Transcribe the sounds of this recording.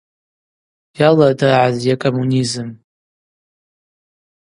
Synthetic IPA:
jaladaʕazjakʼomunizɨm

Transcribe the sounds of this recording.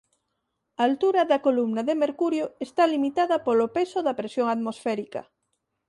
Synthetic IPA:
aːlt̪uɾaðakolumnaðemeɾkuɾjoest̪alimit̪aðapolopesoðɐpɾesjoŋat̪mosfɛɾika̰

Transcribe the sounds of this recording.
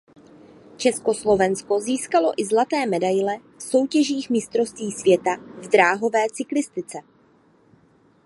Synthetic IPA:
t͡ʃɛsko̞slo̞vɛnsko̞ziːskalo̞ʔɪzlat̪ɛːmɛdajlɛ | fso̞wcɛʒiːxmɪst̪ɾo̞st̪viːsvjɛt̪avdɾaːɦo̞vɛːt͡sɪklɪst̪ɪt͡sɛ

